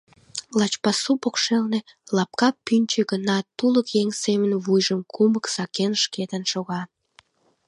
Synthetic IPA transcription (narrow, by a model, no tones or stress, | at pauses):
lɑt͡ɕpɑsupokʃelnelɑp̚kɑpːynʲt͡ɕeɣənɑt̪uləkjeŋsemənβujʒəmkʰuməksɑkenʃket̪ənʃoɣɑ